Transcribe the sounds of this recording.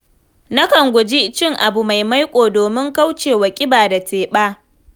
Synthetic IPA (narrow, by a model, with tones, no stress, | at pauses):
na˦kɐ˨ŋɡʷʊ˨d͡ʒi˦t͡ʃɪ˦ŋʔa˨bu˨ma˨jma˦jkʷʼoː˨doː˨mɪ˦ŋka˦wt͡ʃeː˨wɐ˨kʲʼɪ˦baː˨da˨tʰeː˨ɓaː˦